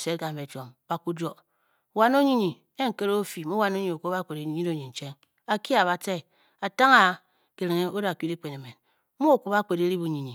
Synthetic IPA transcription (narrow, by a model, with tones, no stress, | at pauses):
se˦tka˨m̩˨be˨t͡ʃo˨mba˨ku˦d͡ʒo˨ | wa˨no˦ɲi˦ɲi˨ | e˦ŋ̩˨ke˦ɾo˦fi˨mu˦wa˨no˦ɲi˨o˨ku˦ba˦ke˨ɾe˨˦i˨˦ɲi˦o˦ɲi˨n̩˨t͡ʃe˦ŋ | a˨ki˦a˨βa˨te˦˨ | a˨ta˦ŋa˨˦ | ke˨ɾe˨ŋe˦o˦da˨ki˦di˦k͡pe˨ne˨me˨n˦ | mu˦o˨ko˦ba˦k͡pe˨ɾe˦ɾi˦bu˨ɲi˨ɲi˨